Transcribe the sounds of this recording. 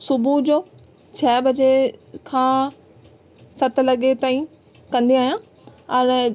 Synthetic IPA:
sʊbʱud͡ʑoː | t͡ɕʰɐːbɐd͡ʑekʰãː | sɐt̪ʰlɐɠet̪aːĩ | kɐ̃nd̪iaːijãː | ɐn

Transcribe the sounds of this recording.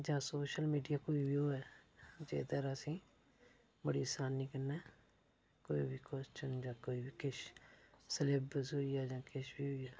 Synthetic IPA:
d͡ʒãːsoːʃəlmiːɖijaːkoːiːbiːoːɛːd͡ʒḛːd̪əɾəsĩː | bəɽiːsaːniːkənɛː | koːḭːbiːkɔst͡ʃənd͡ʒãːkoːiːbiːkɪʃ | səleːbəsoːiːaːd͡ʒãːkɪʃbiːɦoːiaː

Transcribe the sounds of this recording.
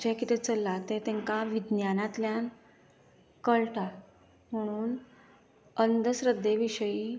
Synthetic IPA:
d͡ʑakit̪et͡səlːat̪et̪ẽŋkaʋid̪njanat̪ljan | kəɭʈa | m̤əɽ̃uːn | ənd̪əsɾəd̪ːeʋiɕəiː

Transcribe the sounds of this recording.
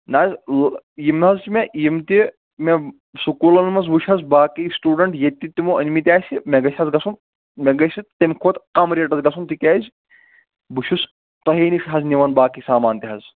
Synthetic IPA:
naːzʲljimnɦɐzt͡ʃimejimt̪i | me | sukuːlɐnmɐs̬buʃʰʲɦɐzbaːkisʈuːɖɐɳʈjet̪ʲːit̪imuʔɐnʲmit̪ʲaːsʲimʲeɡɐsʲɦɐzɡɐsun | mʲeɡɐsʲit̪ɐmʲkʰoːt̪kɐmɾeːʈɐzɡɐsʰunt̪ikʲaːzʲ | buʃʰus | t̪ɐɦeːnifɦɐzniʋɐnbaːkisaːmaːnt̪iɦɐz

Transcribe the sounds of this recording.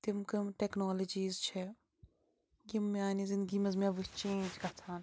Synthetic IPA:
t̪ɪmkɐmʈɛːknoːlɐd͡ʒiːzt͡ʃʰɛ | jimːaːniːzɪ̃nd̪ɡiːmɐzmiaʋət͡ʃẽːnʲd͡ʒkɐt̪ʰaːn

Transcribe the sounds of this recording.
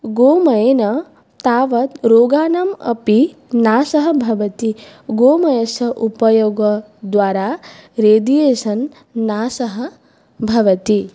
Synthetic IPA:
ɡoːmɐjenɐ | t̪aːʋɐt̪ɾoːɡaːnamɐ̰pi | naːsɐɦɐ̆bʱɐʋɐt̪iɡoːmɐjɐsɐʔupɐjoɡɐ | d̪ʋaːɾaːɾeːd̪ijeːsɐnː | aːsɐɦɐ̆ | bʱɐʋɐt̪i

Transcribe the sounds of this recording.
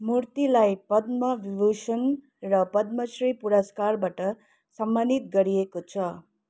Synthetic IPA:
muɾt̪ilajpʌd̪mʌʋibosʌn | rʌpʌd̪mʌsripuɾʌskarbaʈʌ | sʌmbanit̪̚ɡʌɾijekot͡sʰʌ

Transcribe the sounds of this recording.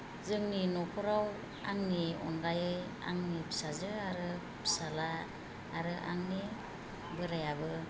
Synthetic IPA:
zɯŋninɔkʰɔɾaw | aŋniɔ̰ndajɯj | a̰ŋnipʰi̥sazɯaɾɯ | pʰi̥salaː | ɾɯʔa̰ŋni | bɯɾajabɯ

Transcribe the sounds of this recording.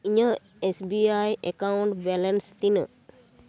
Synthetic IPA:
iɲə | esbiajʔekauɳʈbɛlenst̪inə̰

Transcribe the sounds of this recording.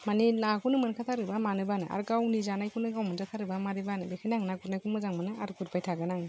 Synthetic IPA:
maninakʰunɯmɯnkʰatʰaɾɯbamanɯbanɯʔa̰ɾɡawnizanajkʰunɯɡawmɯnzʰat̪ʰaɾɯbamaɾɯbanɯbekʰɯjnaŋnaɡʰuɾnajkʰunmɯzaŋmɯnɯaɾkuɾpʰajtʰaɡɯnaŋ

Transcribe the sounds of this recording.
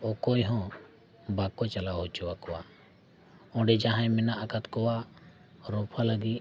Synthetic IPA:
ɔkɔjɦɔ̃ | bakɔt͡ʃalawɦɔt͡ʃɔwakɔwa | ɔ̃ɖɛd͡ʒaɦãjmɛnaʔakat̪kɔwa | ɾɔpʰaləɡi

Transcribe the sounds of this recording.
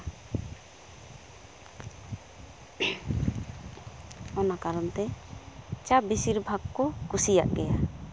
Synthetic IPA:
ɔnakaɾɔnt̪ɛ | t͡ʃabisiɾbʱaɡkɔkusija̰ʔɡɛja

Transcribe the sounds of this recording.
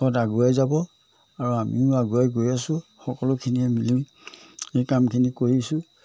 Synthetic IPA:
ɔtaɡuajzabɔ | aɹuamḭʊ̃aɡuajɡojasʊxɔkɔlʊkʰiniɛmilim | ejkamkʰinikoɹisʊ

